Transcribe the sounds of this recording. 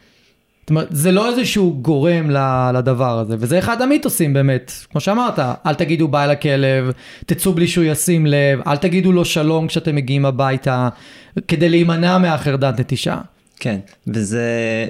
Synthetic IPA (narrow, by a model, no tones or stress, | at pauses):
stome̞et̪zelo̞ezeʃuuɡo̞ʁe̞mlalad̪avaʁaze̞vezeːχadamit̪osimbeːmet̪kmo̞ʃeamaʁt̪aʔalt̪aɡid̪ubaelake̞le̞v | t̪it͡subliʃujasimle̞va̰lt̪aɡid̪ulo̞ʃalo̞mkʃeat̪emːe̞ɡiimabajt̪ake̞d̪ejlejmanameaχeʁd̪at̪net̪iʃa̰ | ken | veze